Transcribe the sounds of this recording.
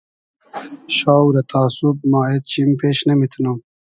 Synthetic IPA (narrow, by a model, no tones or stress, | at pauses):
ɕaːwɾɐt̪ʰaːsub̚maːet̪̚t͡ɕʰimpeːɕnɐmit̪ʰnom